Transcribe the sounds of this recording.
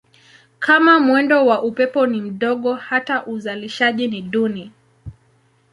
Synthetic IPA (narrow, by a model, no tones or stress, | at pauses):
kʰamamwɛndɔwaʔupɛpɔnim̩ɗɔɠɔhataʔuzaliʃaʄiniɗuni